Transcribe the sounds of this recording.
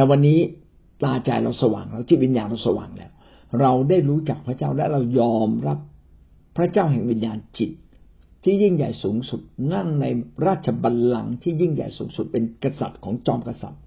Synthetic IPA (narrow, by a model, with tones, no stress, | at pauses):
lɛː˨˩wa˧nːiː˦˥ | t̪aː˧t͡ɕa̰˧jɾa˧wsa˧wa̰ː˨˩ŋɾa˧wt̪ʰiː˥˩wi˧njaː˧nɾa˧wsa˧wa̰ː˨˩ŋlɛ̰ː˦˥w | ɾa˧wdaː˥˩jɾuː˦˥t͡ɕa˨˩k̚pʰɾa˦˥t͡ɕaː˥˩wlɛː˦˥ɾa˧wjɔː˧mɾa˦˥p̚ʰː | ɾa˦˥t͡ɕaː˥˩wɦɛ˨˩ŋwi˧njaː˧nt͡ɕi˨˩t̪̚ʰː | iː˥˩ji˥˩ŋja˨˩jsuː˩˦ŋsu˨˩t̪̚ŋa˥˩ŋna˧jɾaː˥˩t̪̚t͡ɕʰa˧ba˧lla˧ŋt̪ʰiː˥˩ji˥˩ŋja̰˨˩jsuː˩˦ŋsu˨˩t̪̚pe˧nka˧sa̰˨˩t̪̚kʰɔː˩˦ŋt͡ɕɔː˧mka˧sa̰˨˩t̪̚